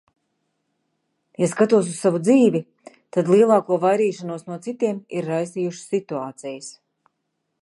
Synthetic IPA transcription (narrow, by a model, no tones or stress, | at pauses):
jaskat̪uɔs̬ussavud̪ziːvi | t̪ad̪lˠiɛlˠɑːkuɔvajɾiːʃanuɔsnuɔt̪sit̪iɛmiɾːajst̪ijuʃsːit̪uaːt̪sɛjɪs